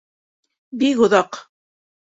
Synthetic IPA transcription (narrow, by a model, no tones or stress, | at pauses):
bikŏðɑq